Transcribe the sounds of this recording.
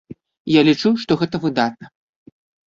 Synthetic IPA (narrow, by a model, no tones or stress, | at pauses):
jalʲit͡ʂuʂt̪ɔɣɛt̪ɐvɨd̪at̪̚nɐ